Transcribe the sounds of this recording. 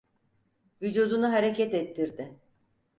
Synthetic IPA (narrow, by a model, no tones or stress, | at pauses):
vyd͡ʒud̪unuɦaɾecɛt̪ɛt̪ʰːiɾd̪ɪ